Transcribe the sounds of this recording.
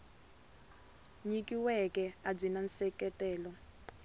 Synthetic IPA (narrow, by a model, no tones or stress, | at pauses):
ɲik̬iwɛkɛab͡ʐinansɛkɛtɛːlɔ